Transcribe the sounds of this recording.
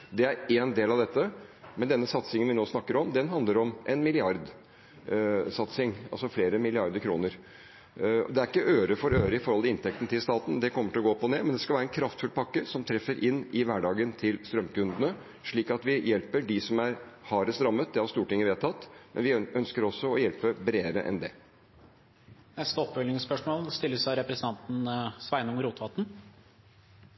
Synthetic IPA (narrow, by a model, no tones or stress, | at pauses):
d̪ɛæɾeːnd̪eːlɑʋd̪ɛt̪ːəmɛnd̪ɛnːəsɑt̪sɪŋənʋɪnoːsnɑkːəɾɔmd̪ɛnɦɑnd̪ləɾɔmʔɛnmɪlɪɑɾd̪ | sɑt̪sɪŋɑ̰lsɔfleːɾəmɪlɪɑɾd̪əɾkʰɾuːnəɾ̰ | d̪ɛæɾɪkːəʔøːɾəfɔɾøːɾəɪfɔɾhɔlt̪ɪɪnt̪ʰɛk̚t̪n̩ət̪ʰɪlst̪ɑːt̪n̩d̪ɛkʰɔmːəʈɪlɔɡoːpɔneːmɛnd̪ɛskɑʋæːɾəɛnkʰɾɑft̪fʉlpʰɑkːəɾsɔmt̪ʰɾɛfːəɾʔɪnːɪʋæːɖɑːɡənt̪ʰɪlst̪ɾœmːkʉnd̪ənə | ʂɭiːkɑt̪ʋɪjɛlpəɖɪsɔmæɾhɑːɾəst̪ɾɑmːət̪̚d̪ɛhɑɾst̪uːʈɪŋːəʋeːt̪ʰːɑt̪ːmɛ̰nʋɪʔœnskəɾɔsːɔɔjɛlpəbɾeːəɾə̰ʔɛ̰nd̪ɛ̰ | nɛst̪əɔpːfʏlnɪŋspœʂmoːlst̪ɪlːəsæɪɾɛpɾəsənt̪ɑnt̪n̩sʋæɪnʊmɾuːt̪ʋɑt̪n̩